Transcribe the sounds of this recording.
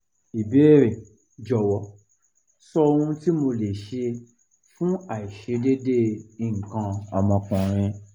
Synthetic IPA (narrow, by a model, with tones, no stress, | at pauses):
i˨be˨˦˨ɾe˨ | d͡ʒɔ˨wɔ˨˦ | sɔ˧o˧ũ˧ti˦mo˧le˨ʃe˧ | fũ˦a˨i˨ʃe˨˧˦de˦de˦i˨ŋ̩˨kã˧ɔ˧mɔ̃˧kũ˨ɾ̃ĩ˧